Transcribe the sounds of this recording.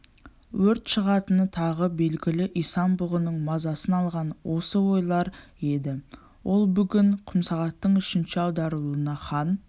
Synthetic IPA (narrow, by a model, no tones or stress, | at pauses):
wɵɾt̪ʃəʁɑt̪ənət̪ʰɑʁəbe̞lɡʲɪlɪʔijst̪ɑmbuʊʁˠənəɴmɑzɑsənɑlˠʁɑnwo̞səwo̞jlˠɑɾe̞d̪ɪ | wo̞lˠbʏɡʲɪɴqʰʊmsɑʁɑt̪ːəɴʏʃɪnʃɪɑwd̪ɑɾəlˠənɑχɑn